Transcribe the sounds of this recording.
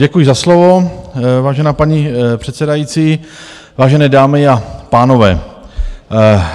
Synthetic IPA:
ɟɛkujɪzaslovo̞vaːʒɛnaːpaɲipr̝̥ɛt̪sɛdajiːt͡siː | vaːʒɛnɛːdaːmɪapaːno̞vɛ̰ː

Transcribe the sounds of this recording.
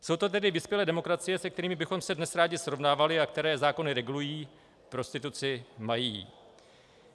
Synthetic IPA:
so̞wt̪o̞t̪ɛdɪvɪspjɛlɛːdɛmo̞kɾat͡sɪjɛsɛk̚t̪ɛɾiːmɪbɪxo̞msɛdnɛsɾaːɟɪsɾo̞vnaːvalɪakt̪ɛɾɛːzaːkonɪɾɛɡulujiː | pɾo̞st̪ɪt̪ut͡sɪmajḭː

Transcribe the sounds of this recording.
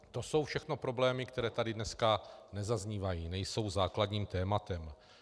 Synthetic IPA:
t̪o̞so̞wfʃɛxno̞pɾo̞blɛːmɪkt̪ɛɾɛːt̪adɪdnɛskanɛzazɲiːvajiːnɛjso̞wzaːkladɲiːmt̪ɛːmat̪ɛm

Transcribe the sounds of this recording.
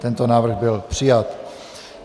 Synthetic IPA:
t̪ɛnt̪o̞naːvr̩ɣbɪlpr̥ɪjat̪

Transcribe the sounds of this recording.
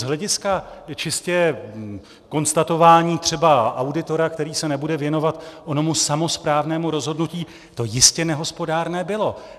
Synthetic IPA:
zɦlɛɟɪskat͡ʃɪscɛ | ko̞nst̪at̪o̞vaːɲiːt̪r̥ɛbaʔawdɪt̪o̞ɾak̚t̪ɛɾiːsɛnɛbudɛvjɛno̞vat̪ʔono̞musamo̞spɾaːvnɛːmuɾo̞zɦo̞dnuciː | t̪o̞jɪscɛnɛɦo̞spo̞daːɾnɛːbɪlo̞

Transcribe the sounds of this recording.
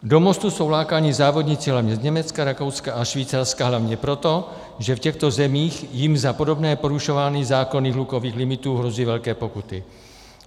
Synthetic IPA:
do̞mo̞st̪uso̞wlaːkaːɲɪzaːvo̞dɲɪt͡sɪɦlavɲɛzɲɛmɛt͡skaɾako̞wt͡skaʔaʃviːt͡saɾskaɦlavɲɛpɾo̞t̪o̞ | ʒɛfcɛxt̪o̞zɛmiːxjɪmzapo̞do̞bnɛːpo̞ɾuʃovaːnizaːko̞niːɣluko̞viːxlɪmɪt̪uːɦɾo̞ziːvɛlkɛːpo̞kut̪ɪ

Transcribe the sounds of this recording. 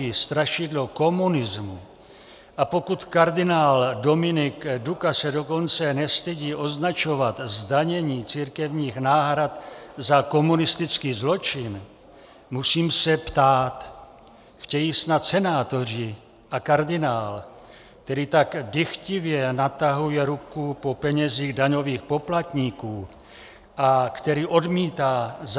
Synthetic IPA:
ist̪ɾaʃɪdlo̞ko̞munɪzmu | ʔapo̞kut̪kaɾdɪnaːldo̞mɪnɪkdukasɛdo̞ko̞nt͡sɛnɛst̪ɛɟiːʔo̞znat͡ʃo̞vat̪zdaɲɛɲiːt͡siːɾkɛvɲiːxnaːɦɾat̪zako̞munɪst̪ɪt͡skiːzlo̞t͡ʃɪn | musiːmsɛpt̪aːt̪ | xcɛjisnat̪sɛnaːt̪o̞r̝ɪ | ʔakaɾdɪnaːl | k̚t̪ɛɾiːt̪aɡdɪxcɪvjɛnat̪aɦujɛɾukupo̞pɛɲɛziːɣdaɲo̞viːxpo̞plat̪ɲiːkuː | ʔakt̪ɛɾiːʔo̞dmiːt̪aːz

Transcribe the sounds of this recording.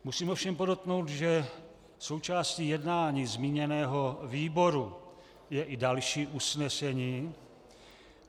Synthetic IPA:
musiːmofʃɛmpodot̪no̞wt̪ʒɛ | so̞wt͡ʃaːsciːjɛdnaːɲiːzmiːɲɛnɛːɦoviːbo̞ɾu | jɛʔɪdalʃiːʔusnɛsɛɲiː

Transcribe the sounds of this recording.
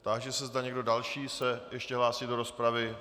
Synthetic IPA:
t̪aɡʒɛsɛzdaɲɛɡdo̞dalʃiːsɛjɛʃcɛɦlaːsido̞ɾo̞spɾavɪ

